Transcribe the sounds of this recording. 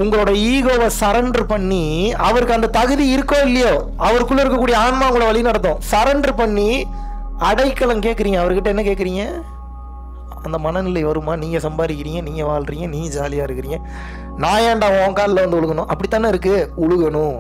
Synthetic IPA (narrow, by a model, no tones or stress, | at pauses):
ʊŋɡɐɭoːɽɐiːɣoːʋɐsɐɾɐɳɖɾpɐɳːiɐʋɐɾɯkːɐnd̪ɐt̪ɐɣɯðiɪɾɯkːõːɪlːɐjoː | ɐʋɐɾkːɯɭɪɾɯkːɐkːuːɽɪjɐaːɳmaːʊŋɡɭːɽɐʋɐɭɪnɐɽɐt̪ːõːsɐɾɐɳɖɾpɐɳːi | ɐɽɐɪkːɐɭɐ̃ŋkeːʈkɪɾɪŋɡɐ̃ɐʋɐɾɯkɪʈːɐɛnːɐkeːʈkɪɾɪŋɡɐ | ɐnd̪ɐmɐnɐnɪlɐɪʋɐɾɯmaːniːŋɡɐsɐmbaːɾɪkːɪɾɪŋɡɐ̃niːŋɡɐʋaːɭɾɪŋɡɐ̃niːŋɡɐd͡ʒaːlɪjaːɪɾɯkːɪɾɪŋɡɐ̃ | naːjaːɳɖaːʋõkaːɾɪlːɐʋɐnd̪ɯʊɭɯɣɐnʊ̃ʔɐpːɐɽɪt̪ːaːnɐɪɾɯkːɯʊɭɯɣɐnʊ̃